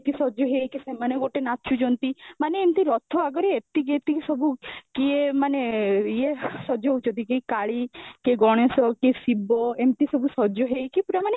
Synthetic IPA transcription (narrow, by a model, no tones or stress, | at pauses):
t̪isɔd͡ʒɔɦejkisemaneɡoʈenaːt͡ʃud͡ʒɔnt̪imaneemt̪iɾɔt̪ʰɔaɡɔɾeet̪iɡet̪isɔbʱukiemaneiesɔd͡ʒɔɦut͡ʃʰɔt̪ikejkaɭikeɡɔɽ̃esɔkesibɔemt̪isɔbʱusɔd͡ʒɔɦejkipuɾamane